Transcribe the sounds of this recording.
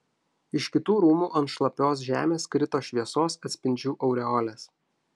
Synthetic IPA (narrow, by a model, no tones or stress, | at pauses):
ɪʃkʲɪt̪uːɾuːmuːʔɐnt̪ʃlˠɐpʲoːs̬ʒʲæ̰ːmʲeːskɾʲɪt̪oːʃʲʋʲiɛsoːsɐt̪ʲsʲpʲɪnʲd͡ʒʲuːʔɒʊɾʲɛɔːlʲeːs